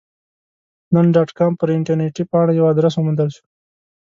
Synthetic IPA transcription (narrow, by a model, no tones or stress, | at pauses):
nənɖaːʈkaːmpəɾɪɳʈəɾneʈipɑːɽ̃ajawaːd̪ɾəs̬omənd̪əlʃu̥